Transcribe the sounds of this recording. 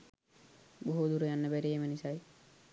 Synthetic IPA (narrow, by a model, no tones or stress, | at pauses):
boɦud̪uɾejanːəbæɾijemənisaj